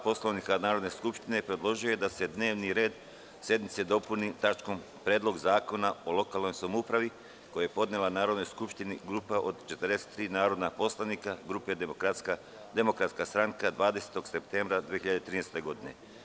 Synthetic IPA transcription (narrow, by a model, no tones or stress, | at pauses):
po̞slaʋnikanaːɾod̪ne̞skupʃt̪ine̞pɾe̞d̪lˠo̞ʒuje̞d̪ase̞d̪ne̞ːʋniɾe̞ːd̪ | sje̞d̪nit̪se̞d̪o̞punit̪at͡ʃko̞m | pɾe̞ːd̪lˠo̞ɡzaːko̞naolo̞kalˠno̞jsamupɾaʋi | ko̞jajepo̞d̪nelˠanaːɾod̪no̞jskupʃt̪iniɡɾuːpaʔo̞d̪t͡ʃet̪ɾd̪ese̥t̪ːɾiːnaːɾo̞d̪napo̞slˠaʋnikaɡɾupe | d̪emo̞kɾat̪skast̪ɾaŋkad̪ʋaːd̪ese̥t̪o̞ɡse̞p̚t̪e̞ːmbɾad̪ʋeeçiʎad̪et̪ɾiːnest̪e̞ɡo̞d̪ine̞̰